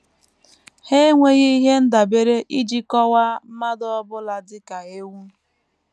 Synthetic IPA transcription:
he˦ŋʷe˦ɣi˦i˦ɦe˦n̩˦da˨be˨ɾe˦ʔi˦d͡ʒi˦kɔ˦wa˦m̩˦ma˦dɔ˦ɔ˦bʊ˦la˨dɪ˦ka˨e˦wu˦

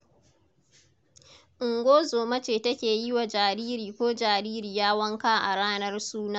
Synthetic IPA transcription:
ʔɪ˨ŋɡʷoː˦zoː˨mɐ˦t͡ʃeː˨tɐ˦kʲeː˨ji˦wa˨d͡ʒaː˨ɾiː˦ɾiː˨kʷoː˦d͡ʒaː˨ɾiː˦ɾiː˨jaː˦wɐ˦ŋkaː˦ʔa̰˨ɽaː˦nɐ˦rsuː˦naː˦

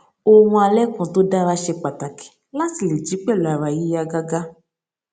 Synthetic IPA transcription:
o˧wũ˧a˧lɛ˦kɔ̃˨˦to˦da˦ɾa˧ʃe˧k͡pa˨ta˨kɛ̥˨ | la˦ti˨le˨d͡ʒi˨˦k͡pɛ˦˨lu˨a˨ɾa˨ji˨˦a˧ɡa˧ɡa˦

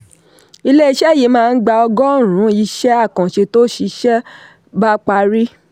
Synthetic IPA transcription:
i˧le˦i˧ʃɛ˦˨ji˨˦mãː˧n̩˦ɡ͡ba˧ɔ˧ɡɔ˦˨ɾ̃ũ˨˦i˧˦ʃɛ˦a˦˨kã˨ʃe˧to˦ʃi˧ʃɛ˦ | ba˦k͡pa˧ɾi˦

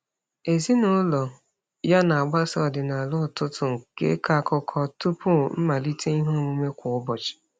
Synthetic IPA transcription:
e˨zi˦nʊ˦lɔ˨ | ja˦na˨a˨ɡ͡ba˦sɔ˦˨dɪ˨na˨lʊ˦˨tʊ˦tʊ˨ŋ̩˨kḛ˦ka˦˨kɔ˦kʰɔ˦tu˦pʊ˦˨m̩˦ma˨li˦tʰe˦i˦ɦo˦˨ŋʷu˦me˦kʷʊ˨ʊ˦bɔ˨t͡ʃɪ̥˨

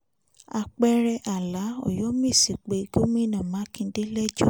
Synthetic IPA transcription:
a˧k͡pɛ˧ɾɛ˧ʔa˨la˨˦ɔ̰˦˨jɔ˦mĩ˦˨si˨k͡pe˨˦ɡo˦mĩ˦˨nã˨mã˨˦kĩ˧˦de˦lɛ˦d͡ʒo˦

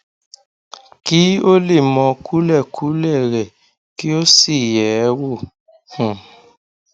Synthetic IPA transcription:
ki˦o˦le˦˨mɔ̃˨ku˦lɛ˦˨kʰu˨˦lɛ˦˨ɾɛ˨ | ki˦o˦si˦˨jɛ˨˦wo˦˨ | hũ˨

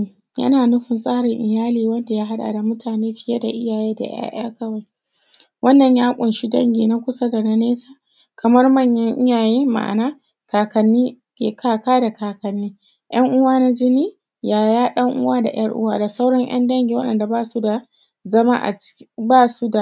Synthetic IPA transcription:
jɐ̰˦naː˨nʊ˦ɸɪ˨nsʼaː˦ɽɪ˨ŋʔɪ˨jaː˦liː˨wɐ˦nda˨jaː˦ɦa˦ɗa̰ː˨da˨mʊ˦tʰaː˨neː˦ɸɪ˦ja˦da˨ʔɪ˦jaː˨jeː˦da̰˨j̰a̰ː˦j̰a̰ː˦kɐ˦wa˨j | wʔɐ˦nːɐ˨ɲjaː˦kʷʼʊ˨nʃi˦dɐ̰˦ŋɡʲiː˨na˦kʷʊ˦sɐ˦da˨na˦neː˦saː˦ | kɐ˨mɐ˦rmɐ˦˨ɲjɐ˦ŋʔɪ˦jaː˨jeː˦ma̰˨ʔa̰˨naː˦ | kaː˨kɐ˨nːiː˦ | kʲeː˨kʰaː˦kaː˦da˨kaː˨kɐ˨nːiː˦ | j̰ɐ˦ŋʔʊ˦waː˦na˦d͡ʒɪ˦niː˦ | jaː˨jaː˦ɗɐ˦ŋʔʊ˦waː˦da̰˨j̰ɐ̰˦rʔʊ̰˦waː˦da˨sa˦wɽɐ˦ɲj̰ɐ̰˦ndɐ˦ŋɡʲiː˨wɐ˦ɗɐ̰˨nda˨baː˦˨su˦da˨ | zɐ˦ma̰˦ʔa̰˨t͡ʃbaː˦su˦da˨

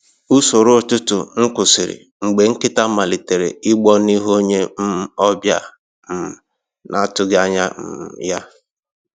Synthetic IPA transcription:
u˦so˨ɾʊ˦˨tʊ˦tʊ˨ŋ̩˦kʊ˨sɪ˨ɾɪ̰˨ | ŋ͡m̩˨ɡ͡be˨ŋ̩˦kɪ˦ta˦ma˨li˨te˨ɾḛ˨ɪ˦ɡ͡bɔ˦ni˦ɦo˦ɲe˦m̩˦ɔ˦bja̰˦ | m̩˨ | nʔa˨˦˨tʊ˦ɡa˦ɲa̰˦m̩˨ja˦

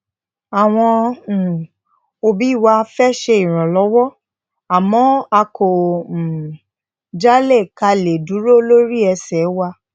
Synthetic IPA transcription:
a˨w̃ɔ̃˧˨ | o˧bi˨˦i˦˨wa˧˦fɛ˦ʃe˧i˨ɾ̃ɔ̃˨lɔ˨˦wɔ˦ | a˨mɔ̃˨˦a˧kʰo˨ | d͡ʒa˦le˦˨ka˧le˨du˨˦ɾo˦lo˦ɾi˦ɛ˧sɛ˨˦wa˧

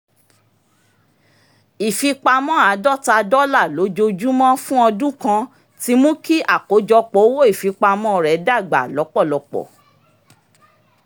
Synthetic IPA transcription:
i˨fi˧k͡pa˧mɔ̃˦a˨˦dɔ˦˨ta˧dɔ˦la˦˨lo˨˦d͡ʒo˧d͡ʒu˦mɔ̃˦fũ˦ɔ˧dũ˦kã˧ | ti˧˦mũ˦ki˦ʔa˦˨ko˨˦d͡ʒɔ˧k͡pɔ˨˦wo˦i˦˨fi˧k͡pa˧mɔ̃˦ɾɛ˨˦da˦˨ɡ͡ba̰˨lɔ˨˦k͡pɔ˦˨lɔ˧k͡pɔ̰˨

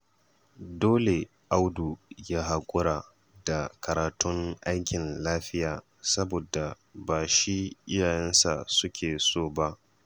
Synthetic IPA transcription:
doː˦le˨ | ʔa˦wdu˨jaː˦ɦa˨kʷʼʊ˦ɾaː˨ | da˨kʰɐ˨ɾaː˨tʊ˦ŋʔa˦jkʲɪ˨nlaː˦ɸɪ˦jaː˨ | sɐ˦boː˨da˨ | baː˨ʃi˦ʔɪ˦jaː˨jɛ˦nsa̰˨sʊ˦kʲʰeː˨soː˦˨ba˦ʔ

